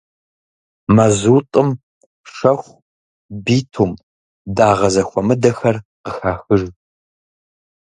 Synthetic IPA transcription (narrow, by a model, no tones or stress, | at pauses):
mɐzuːtʼɨm | ʂɐxʷ | biːtʰuːm | daːʁɐzɐxʷɔmɨdɐxɐrqəxaːxɨʒ